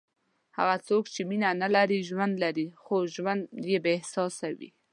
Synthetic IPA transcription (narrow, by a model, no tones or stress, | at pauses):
ha̰ɣat͡sokt͡ʃeminanalaɾiʒwand̪laɾixoʒwand̪jebaɪhsɑsawḭ